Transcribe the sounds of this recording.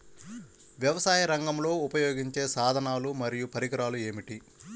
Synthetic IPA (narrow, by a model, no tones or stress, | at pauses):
ʋjɐʋɐsaːjɐɾɐŋɡɐmlo̞ːupɐjoːɡiɲt͡ʃe̞ːsaːd̪ʱɐnaːlumɐɾijupɐɾiɡɐɾaːlue̞ːmiʈi